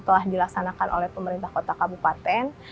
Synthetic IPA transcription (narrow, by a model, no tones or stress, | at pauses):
t̪əlahdilaksanakanʔo̰lɛhpəməɾint̪ahkot̪akabupat̪ɛn